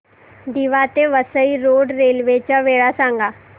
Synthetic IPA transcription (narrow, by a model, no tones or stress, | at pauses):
d̪iʋat̪eʋəsəiɾoːɖɾeːlʋeːt͡ʃaʋeːɽasãːŋɡaː